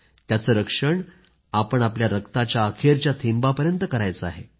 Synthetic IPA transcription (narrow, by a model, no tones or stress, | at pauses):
t̪jat͡səːɾəkʂəɳ | apəɳapljaɾəkt̪at͡ɕjaːkʰeɾt͡ɕjat̪ʰimbapəɾjənt̪əkəɾajt͡səaɦe